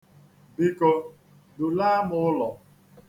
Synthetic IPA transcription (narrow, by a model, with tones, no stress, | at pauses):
bi˦ko˦ | dʊ˨la˦mʊ˦ʊ˦lɔ˨